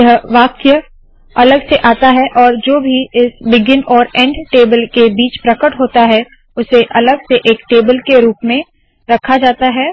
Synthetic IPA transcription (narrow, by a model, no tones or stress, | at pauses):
əɦʋaːkjə | ɐləɡseʔaːt̪aɦɛʔɔːɾd͡ʒoːbʱiɪsbɪɡɪnɔːɾɛ̃ːɳɖʈeːbəlkebiːt͡ʃpɾɐkəʈɦoːt̪aɦɛ | ʊseʔɐləɡseʔeːkʈeːbəlkeɾuːpmẽ | ɾɐkʰad͡ʒaːt̪aɦɛː